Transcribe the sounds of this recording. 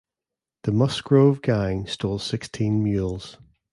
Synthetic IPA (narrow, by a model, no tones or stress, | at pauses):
ðəmʌsɡ̥ɹoʊvɡãɪ̃ŋstɔːl̥ˠsɪkstʰĩnmjʉːlˠz̥